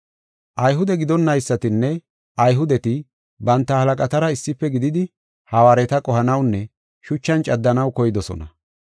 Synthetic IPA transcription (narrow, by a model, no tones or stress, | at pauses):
ʔɐjɦʊd̪ɛɡɪd̪ɔnːɐjsːɐt̪ɪnːɛ | ʔɐjɦʊd̪ɛt̪ɪ | bɐnt̪ːɐhɐlɐkʼɐt̪ɐɾɐɪsːɪpːɛɡɪd̪ɪd̪ɪ | hɐwaːɾɛt̪ɐkʼɔhɐnɐwnːɛ | ʃʊt͡ʃːɐnt͡ʃʼɐd̪ːɐnɐwkɔjɪd̪ɔsɔ̰nɐ̰